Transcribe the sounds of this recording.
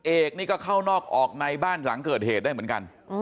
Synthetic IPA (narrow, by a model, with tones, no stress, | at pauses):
ʔeː˨˩k̚niː˥˩kɔː˥˩kʰa˥˩wnɔː˥˩k̚ʔɔː˨˩k̚na˧jbaː˥˩nla˩˦ŋkɤː˨˩t̪̚heː˨˩t̪̚daː˥˩jmɯ˩˦nka̰˧n